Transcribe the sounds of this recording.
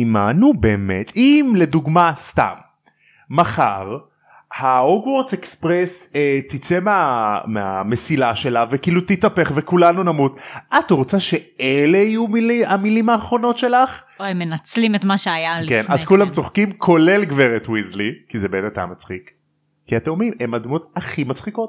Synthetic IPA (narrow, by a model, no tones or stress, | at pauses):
imanube̞ːmet̪ʰimle̞duɡmast̪a̰mː | aχa̰ʁ | haoɡwoʁzekspʁeset̪it͡se̞meameamesilaʃe̞lavekiːlut̪it̪apeχvekulanunamutʔat̪ʁot͡saʃe̞eleijumiliamilimaːχʁo̞no̞tʃe̞laχ | oemːenat͡slimet̪maʃeajalkenazkulamt͡soχkimkʰo̞le̞lɡveʁet̪wizlikizebeet̪at̪a̰mat͡sχik | kːiat̪emmime̞mad̪mo̞t̪aχimat͡sχikot